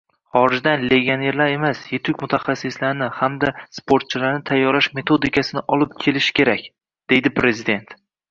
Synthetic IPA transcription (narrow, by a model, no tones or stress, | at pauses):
χɒɾɪd͡ʒd̪anle̞ɡʲone̞ɾlaɾe̞masjet̪ʰʊkʲmʊt̪ʰaχasːɪslaɾnɪhamd̪aspʰoɾt̪̚t͡ʃʰɪlaɾnɪt̪ʰajːɒɾlaʃme̞t̪ʰo̞d̪ɪkʰasɪnɪʔɒlˠɪp̚kʲʰe̞lɪʃɪ̥kʲe̞ɾakʲ | d̪̥e̞jd̪ɪpɾe̞zɪd̪e̞nt̪